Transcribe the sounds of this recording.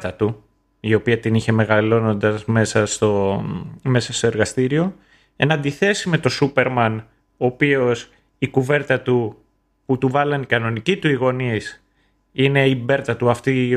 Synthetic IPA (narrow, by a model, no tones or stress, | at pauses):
t̪ɐt̪u | io̞piɐt̪iniçe̞me̞ɣɐlo̞no̞nd̪ɐzme̞sɐst̪o̞ | me̞sɐst̪o̞eɾɣɐst̪iɾio̞ | e̞nɐnd̪iθe̞sime̞t̪o̞supe̞ɾmɐn | o̞ːpio̞s | ikuve̞ɾt̪ɐt̪u | put̪uvɐlɐnikɐno̞nicit̪uiɣo̞nis | ine̞ibe̞ɾt̪ɐt̪uɐft̪i